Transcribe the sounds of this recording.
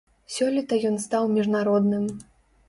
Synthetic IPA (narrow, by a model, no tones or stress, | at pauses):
sʲɔlʲit̪ɐjɔnst̪awmʲiʐnaɾɔd̪nɨm